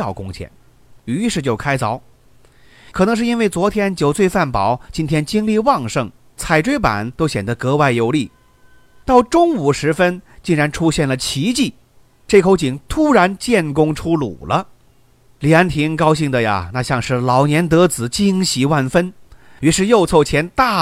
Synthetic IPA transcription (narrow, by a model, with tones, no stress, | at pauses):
ɑ˥˩ʊkʊ˥ŋt͡ɕʰjɛ̰˥˩n | y˧˥ʂɻ̩˥˧t͡ɕjo˥˩ʊkʰa˥ɪt͡sɑ˧˥ʊ | kʰɤ˨˩nɤ˧˥ŋʂɻ̩˥˩i˥nwe˥˩ɪt͡swɔ˧˥t̪ʰjɛ˥nt͡ɕjo˨˩ʊt͡swe˥˧ɪfa˥˩npɑ˨˩˦ʊt͡ɕi˥nt̪ʰjɛ˥nt͡ɕi˥ŋli˥˧wɑ˥˧ŋʂɤ˥˩ŋ | t͡sʰa˨˩ɪʈ͡ʂwe˥ɪpa̰˨˩˦nt̪o˥ʊɕjɛ˨˩nd̪ə˧˦kɤ˧˥wa˥˩ɪjo˧˥ʊli˥˩ | t̪ɑ˥˩ʊʈ͡ʂʊ˥ŋu˨˩ʂɻ̩˧˥fə˥nt͡ɕi˥˩ŋɻa˧˥nʈ͡ʂʰu˥ɕjɛ˥˩nlə˩t͡ɕʰi˧˥t͡ɕi˥˩ | ʈ͡ʂe˥˩kʰo˧˥ʊt͡ɕi˨˩ŋt̪ʰu˥ɻa˧˥nt͡ɕjɛ˥˩nkʊ˥ŋʈ͡ʂʰu˥lṵ˨˩lə˦ | lijɛ˧˥nt̪ʰi˧˥ŋkɑ˥ʊɕ̬i˥˩ŋd̪ə˩ja̰˩na˥˧˩ɕjɑ˥˧ŋʂɻ̩˥˩lɑ˨˩ʊnjɛ˧˥nt̪ɤ˧˥t͡sɹ̩˨˧˩t͡ɕi˥ŋɕi˧˥wa˥˩nfə˥ny˧˥ʂɻ̩˥˧jo˥˧ʊt͡sʰo˥˩ʊt͡ɕʰjɛ˧˥nt̪a˥˩